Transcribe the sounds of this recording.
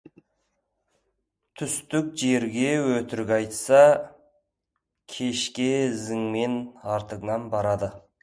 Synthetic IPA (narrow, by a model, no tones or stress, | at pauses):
t̪ʰʏst̪ʏk̚ʒe̞ɾɡʲe̞wɵt̪ɪɾɪkʲɑjt̪sɑ | kʲʰe̞ʃkʲe̞ɪzɪŋme̞nɑɾt̪əʁənɑnbɑɾɑd̪ə